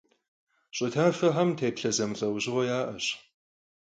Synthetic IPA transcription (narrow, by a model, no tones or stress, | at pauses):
ɕʼɪtʰaːfɐħɐmtʰeːpɬɐzɐmɨɬʼɐwʑɪʁɔjaːʔɐ̰ɕ